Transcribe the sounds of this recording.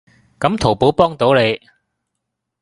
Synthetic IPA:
kɐ˨˥mt̪ʰo˨˩wpo˨˥wpɔː˥ŋt̪o˨˥wle˨˧j

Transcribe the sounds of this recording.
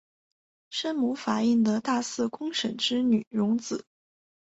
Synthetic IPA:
ʂə˥nmu˧˥fa˨˩i˥˩ŋd̪ə˨t̪a˥˧sɹ̩˥˩kʊ˥ŋʂə˨˥nʈ͡ʂɻ̩˥ny˨˩˦ɻʊ˧˥ŋt͡sɹ̩˨˩˦

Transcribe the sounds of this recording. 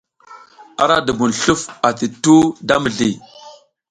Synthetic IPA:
a˦ɾa˦də˨bu˨nɬu˦fa˨ti˨tu˦da˦mə˨ɮi˨

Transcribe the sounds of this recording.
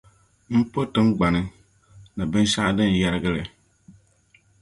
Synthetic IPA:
m̩˦po˦tɨ˦ŋ˦ɡ͡ba˨nɨ˦ | na˨bɨ˦n˦sa˦ʔdɨ˦n̩˨ja˦ɾɨ˦ɡɨ˦lɨ˨

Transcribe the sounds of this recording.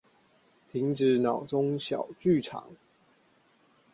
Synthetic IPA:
t̪ʰi˨˦ŋʈ͡ʂɻ̩˨˦nɑ˨˩ʊt͡so˦ŋɕjɑ˨˩ʊt͡ɕy˥˨ʈ͡ʂʰɑ̰˨˩˦ŋ

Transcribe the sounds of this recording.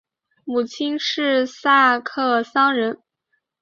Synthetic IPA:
mu˨˩t͡ɕʰi˥nʂɻ̩˥˧sa˥˩kʰɤ˥˩sɑ˥ŋɻə˧˥n

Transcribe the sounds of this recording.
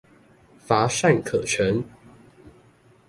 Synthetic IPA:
fa˨˥ʂa˥˩nkʰɤ˨˩t͡ɕʰə˨˦n

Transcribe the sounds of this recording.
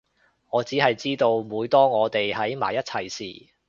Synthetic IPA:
ŋɔː˨˧t͡siː˨˥ɦɐ˨jt͡siː˥t̪o˧wmuː˨˧jt̪ɔː˥ŋɔː˨˧t̪e˨jhɐ˨˥jma̰ː˨˩jɐ˥t̚t͡sʰɐ˨jsḭː˨˩

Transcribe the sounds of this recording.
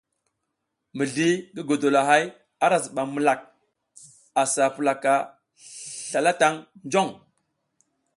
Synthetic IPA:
mə˨ɮi˦ɡə˦ɡo˨do˨la˨ɦa˦j | a˦ɾa˨s̬ɓa˨mə˨la˨k̚ | a˨sa˨pə˨la˨ka˨ | ɬa˨la˦ta˦ŋnd͡ʒo˦˨ŋ

